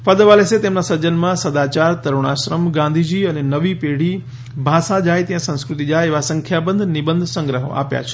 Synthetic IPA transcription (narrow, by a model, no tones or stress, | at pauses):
pəd̪əʋaleset̪emnasəɾd͡ʒənmãsəd̪at͡ʃaɾt̪əɾoɽ̃aʃɾəmɡãnd̪ʱid͡ʑiːənenəʋipeɽ̤i | bʱasad͡ʒaːjt̪jãsə̃w̃skɾʊt̪id͡ʒajeʋasə̃ŋkʰjabə̃nd̪ʱnɪbənd̪ʱsə̃ŋɡɾəɦə̰a̰pja̰t͡ʃʰe̥